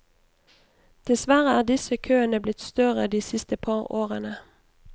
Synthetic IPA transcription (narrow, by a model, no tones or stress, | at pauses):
d̪̥ɪsʋæʁəæːd̪ɪsəkʰøːənəblɪt̪st̪œʁəd̪iːsɪst̪əpʰɑːʁoːʁənə